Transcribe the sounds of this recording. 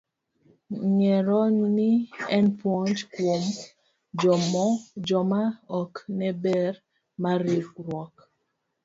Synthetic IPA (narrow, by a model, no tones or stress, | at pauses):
ŋɛɾɔniɛnpwɔnd͡ʒkwom | d͡ʒɔmɔd͡ʒɔmaɔknɛbɛɾ | maɾikɾwɔk